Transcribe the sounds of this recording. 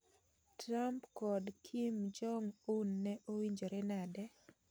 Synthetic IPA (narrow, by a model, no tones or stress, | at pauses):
tɾampkɔdkʰimd͡ʒɔŋunːɛʔowiɲd͡ʒoɾɛnadɛ